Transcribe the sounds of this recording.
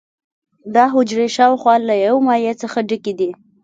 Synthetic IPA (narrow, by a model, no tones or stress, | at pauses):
d̪ɑɦʊd͡ʒɾeʃɑwxwɑlajawmɑjet͡səxaɖəkid̪i